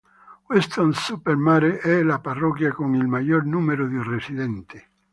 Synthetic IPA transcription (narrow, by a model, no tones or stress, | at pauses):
west̪onsupeɾmaɾeʔɛlaparɔkjakoŋilmajoɾnumeɾoðuresiðɛnt̪e